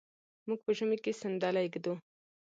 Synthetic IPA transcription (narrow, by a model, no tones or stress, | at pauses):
muɡ̚pəʒʊmekesɪnd̪ɑlajɡd̪u